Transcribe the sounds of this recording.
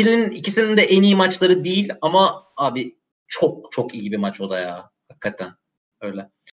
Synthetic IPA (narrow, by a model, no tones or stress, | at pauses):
ilininicisinind̪ɛʔenijimat͡ʃlˠaɾɯd̪ejilʲamaaːbi | t͡ʃʰo̞k̚t͡ʃʰo̞kijibimat͡ʃo̞d̪ajaː | hakʰːat̪ʰæn | ø̞jlʲɛ